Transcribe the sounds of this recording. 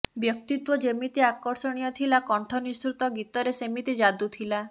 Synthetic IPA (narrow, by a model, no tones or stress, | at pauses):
bjɔk̚t̪it̪wɔd͡ʒemit̪iakɔɾsɔɽ̃ijɔt̪ʰilakɔɳʈʰɔnist̪ɾut̪ɔɡit̪ɔɾesemit̪id͡ʒad̪ut̪ʰila